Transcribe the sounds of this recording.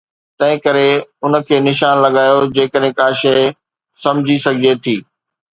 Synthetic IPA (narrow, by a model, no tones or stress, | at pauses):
t̪ɐ̃ɦɪ̃kɐɾeʊnə̆kʰeːnɪʃaːnlɐɠaːjod͡ʑeːkəɗɦɪ̃kaːʃeɪ | sɐ̃md͡ʑʱisɐɡʱɪd͡ʑet̪ʰiː